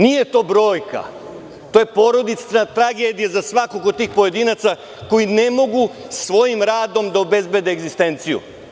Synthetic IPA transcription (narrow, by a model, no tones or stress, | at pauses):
nije̞t̪o̞ːbɾo̞ːjka̰ | t̪o̞ːje̞poɾo̞d̪it̪sat̪ɾaɡe̞d̪ijazasʋakokod̪t̪iːxpoje̞d̪inat̪sa | ko̞jine̞mo̞ɡusʋo̞jimɾaːd̪o̞md̪aobe̞zbe̞d̪eːɡzist̪e̞nt̪sijṵ